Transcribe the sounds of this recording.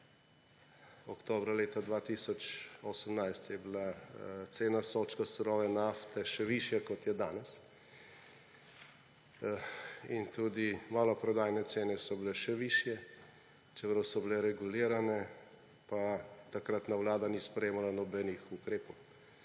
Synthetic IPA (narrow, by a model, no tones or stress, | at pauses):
ɔkt̪oːbɾaleːt̪ad̪ʋat̪isɔt͡ʃɔsəmnajst̪jɛbilat̪seːnasoːt͡ʃkasɔɾɔːʋɛnaft̪ɛʃɛʋiʃjakɔt̪jɛd̪aːnɛs | int̪ud̪imaːlɔpɾɔd̪aːjnɛt̪seːnɛsɔbilɛʃɛʋiːʃjɛ | t͡ʃɛpɾwsɔbilɛɾɛɡuliːɾanɛ | pat̪akɾat̪nawlaːd̪anispɾɛjeːmalanɔbɛnixukɾeːpɔw